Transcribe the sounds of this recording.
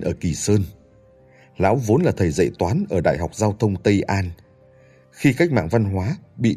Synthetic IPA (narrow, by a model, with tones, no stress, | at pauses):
nʔəː˧˩ki˨˩səː˧n | la̰ː˧˦˥wvo˨˦nlaː˨˩t̪ʰə˨˩jzə̰˧˨jt̪waː˨˦nʔəː˧˩ɗa̰ː˧˨jɦa˨˩wk͡p̚zaː˧wt̪ʰə˧wŋ͡mt̪ə˧jʔaː˧n | xi˧kaː˦˥k̟̚ma̰ː˧˨ŋva˧nɦwaː˨˦ɓḭ˧˨